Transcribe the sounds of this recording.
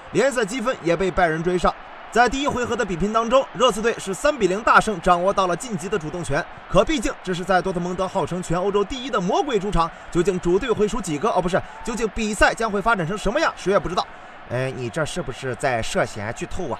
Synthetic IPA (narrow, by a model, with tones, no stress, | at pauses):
ljɛ˧˥nsə˥˩t͡ɕi˥fə˥njɛ˨˩pe˥˧ɪpa˥˩ɪɻə˧˥nʈ͡ʂwe˥ɪʂɑ˥˩ʊ | t͡sa˥˧ɪt̪i˥˧i˥xwe˧˥ɪxɤ˧˥d̪ə˧˩pi˨˩pʰi˧˥nt̪ɑ˥ŋʈ͡ʂʊ˥ŋɻɤ˥˧t͡sʰɹ̩˥˧t̪we˥˩ɪʂɻ̩˥˩sa˥npi˨˩li˧˥ŋt̪a˥˧ʂɤ˥˧˩ŋʈ͡ʂɑ˨˩ŋwɔ˥˧t̪ɑ˥˩ʊlə˩t͡ɕi˥˩nt͡ɕi˧˥d̪ə˧ʈ͡ʂu˨˩ʊ˥˩ŋt͡ɕʰɥɛ˧˥n | kʰɤ˨˩pi˥˧t͡ɕi˥˩ŋʈ͡ʂɤ˥˧ʂɻ̩˥˧t͡sa˥˩ɪt̪wɔ˥ə˧˩m˧˥ŋt̪ɤ˧˥xɑ˥˩ʊʈ͡ʂʰɤ˧˥ŋt͡ɕʰɥɛ˧˥no˥ʊʈ͡ʂo˥ʊt̪i˥˧i˥d̪ə˨mwɔ˧˥kwe˥˩ɪʈ͡ʂʰu˥ʈ͡ʂʰɑ˧˥ŋt͡ɕjo˥˧ʊt͡ɕi˥˩ŋʈ͡ʂu˨˩t̪we˥˩xwe˧˥ɪʈ͡ʂʰu˧˥t͡ɕi˨˩ɡə˧ə˞˧˥p̬ʂɻ̩˥˩t͡ɕjo˥˧ʊt͡ɕi˥˩ŋpi˨˩sa˥˩ɪt͡ɕjɑ˥ŋxwe˥˩ɪfa˥ʈ͡ʂa˨˩nʈ͡ʂʰɤ˧˥ŋʂə˧˥nmə˧jɑ˥˩ŋʂɻ̩˧˥jɛ˧˩pu˧˩ʈ͡ʂɻ̩˥ɑ˥˩ʊ | e˥˩ɪni˨˩ʈ͡ʂɤ˥˧ʂɻ̩˥˩bu˨˩ʂɻ̩˥˧t͡sa˥˧ɪʂɤ˥˩ɕjɛ̰˨˥˩t͡ɕʰy˥˧t̪ʰo˥˩ʊɐ̰˩